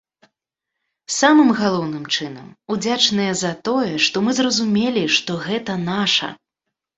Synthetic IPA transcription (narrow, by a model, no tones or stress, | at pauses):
samɨmɣalˠɔwnɨmt͡ʂɨnɐ̰mud͡zʲat͡ʂnɨjɛzɐt̪ɔjɛʂt̪ɔmɨzrɐzumʲelʲiʂt̪ɔɣɛt̪ɐnaʂɐ̰